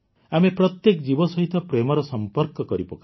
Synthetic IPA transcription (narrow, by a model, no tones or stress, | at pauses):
amepɾɔt̪jekd͡ʒibɔsɔɦit̪ʰɔpɾemɔɾɔsɔmpɔɾkɔkɔɾipɔka